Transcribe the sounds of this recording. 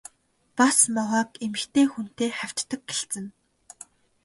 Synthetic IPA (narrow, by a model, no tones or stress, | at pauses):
pasmɔʁaːkemɘ̆xt̪eːxun̥t̪eːrχæw̥ʲt͡ɕːə̆kɡeɬt͡sɘ̆n